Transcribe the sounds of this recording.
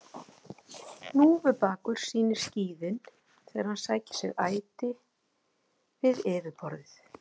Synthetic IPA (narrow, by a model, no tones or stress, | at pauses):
nuːvɪpaːkʏɾ̥siːnɪ̥sciːðɪn | θʰɛːɣaɾhansaːjcɪ̥sɛ̰ɣaːjt̪ɪ | vɪðɛːvɪpɔɾðɪθ